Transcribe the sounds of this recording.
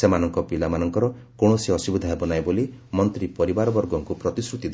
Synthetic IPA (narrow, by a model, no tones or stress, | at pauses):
semanɔŋkɔpilamanɔŋkɔɾɔ | koɽ̃ɔsiɔsibɔd̪ʱaɦebɔnajbolimɔnt̪ɾipɔɾibaɾɔbɔɾɡɔŋkupɾɔt̪isɾut̪id̪